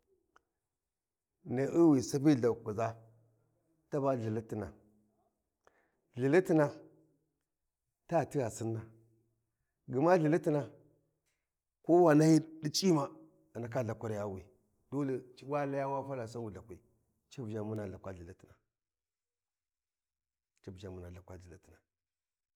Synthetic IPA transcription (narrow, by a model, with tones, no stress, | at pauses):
ne˨ʔi˦wi˨sa˦bi˦˨ɮa˨ku˨za˦ | ta˦ba˦ɮi˨li˦ti˨na̰˨ | ɮi˨li˦ti˦na˨ | ta˦˨ti˦ja˨si˦nːa˨ | ɡə˨ma˦ɮi˨li˦ti˦na˨ | ko˦wa˨na˦ji˦di˦t͡ʃʼi˦ma˨ | a˨na˨˦ka˦ɮa˨kʷa˦ɾja˦wi˨ | d̥o˦le˨t͡ʃi˦wa˦la˦ja˦wa˦fa˦la˨sa˦wu˨ɮa˨kʷi˨ | t͡ʃa˦bd͡ʒa˨mu˦na˨a˨kʷa˦ɮi˨li˦ti˨na˨ | t͡ʃi˦bd͡ʒa˨mu˦na˨a˨kʷa˦ɮi˨li˦ti˨na˨